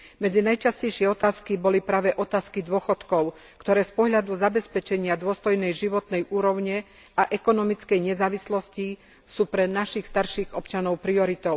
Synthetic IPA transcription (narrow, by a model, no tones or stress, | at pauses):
mɛd͡zinajt͡ʃascɛjʃɪɛɔt̪aːskibɔlipɾaːʋɛʔɔt̪aːskid̪ʊɔxɔt̪kɔʊ | kt̪ɔɾɛːspɔɦʎad̪uzabɛspɛt͡ʃɛɲɪad̪ʊɔst̪ɔjnɛjʒiʋɔt̪nɛjuːɾɔʊɲɛ | aʔɛkɔnɔmit͡skɛjɲɛzaːʋislɔsci | suːpɾɛnaʃixst̪aɾʃiːɣɔpt͡ʃanɔʊpɾiɔɾit̪ɔʊ